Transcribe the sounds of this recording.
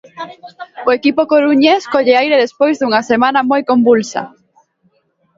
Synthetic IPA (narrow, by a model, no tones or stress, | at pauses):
ʊekipokoɾuɲeskoʎeajɾeðespojzðuŋɐsemãnɐmojkombulsɐ̰